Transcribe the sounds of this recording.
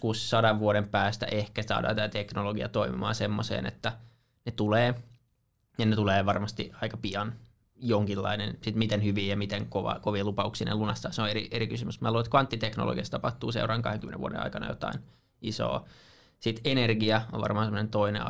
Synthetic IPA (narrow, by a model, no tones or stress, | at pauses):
kussɑdɑʋʋuoɾempæːst̪æ̰ʔehkæsɑ̰ːdɑ̰ːt̪æt̪æt̪eknoloɡiɑt̪oimḭmɑ̰ːnsemːosḛːnḛt̪ːæ | net̪uleː | jɑnet̪uleːʋɑrmɑst̪iɑikɑpiɑn | joŋkilːɑ̰inensit̪mit̪enhyʋiːjɑmit̪eŋkoʋɑ̰koʋiːlupɑuksiːnḛlunɑst̪ɑːseõeɾiʔeɾikysymysmæːluoet̪kʋɑnt̪ːit̪ekno̰lo̰ɡiɑst̪t̪ɑpɑht̪uːsḛurʔɑŋkɑheŋkymeneʋṵodḛɑ̰ikɑnɑ̰jo̰t̪ɑ̰in | iso̰ː | sit̪enerɡiɑo̰ʋʋɑ̰rmɑːnsemːonent̪oinḛ